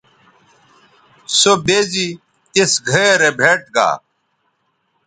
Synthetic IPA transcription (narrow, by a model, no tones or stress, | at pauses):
sobeːzi | t̪esɡʱɐeɾebʱeːʈɡa̰ː